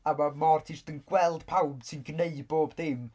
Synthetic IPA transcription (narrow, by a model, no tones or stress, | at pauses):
avɔmɔrtʰird̥ənɡ̥wɛlˠd̥pʰawb̥sɨnɡneɨdboːbdɪm